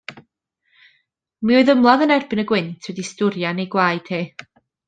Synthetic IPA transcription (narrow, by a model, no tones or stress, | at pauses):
miɔɨðəmlˠaðənɛrbɪnəɡwɪntʰwɛdistʊɾjanejɡwaːɨd̥heː